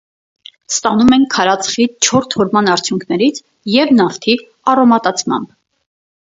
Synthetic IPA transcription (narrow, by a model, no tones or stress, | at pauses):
st̪ɑnumɛnkʰːɑɾɑt͡sʰχit͡ʃʰɔɾt̪ʰhɔɾmɑnɑɾt͡sʰjuŋkʰnɛɾit͡sʰ | jɛvnɑft̪ʰi | ɑrɔmɑt̪ɑt͡sʰmɑ̰mb